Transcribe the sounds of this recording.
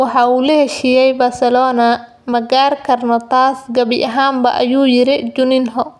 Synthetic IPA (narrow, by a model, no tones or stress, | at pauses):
wɑħɑːuːlɐhɛʃijɛjbaːsɛlɔːnɐ | mɐɡaːrkʰɐrnɔt̪ʰaːsɡɐβɪʔɐɦaːmbɐ̰ʔɐjuːjɪɾɪd͡ʒʊnɪnɦɔ